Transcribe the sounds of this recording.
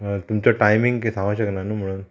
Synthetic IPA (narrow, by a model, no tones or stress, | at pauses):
t̪umt͡ɕaʈajmiŋɡkisãŋɡaɕəknanuːm̤əɽ̃uːn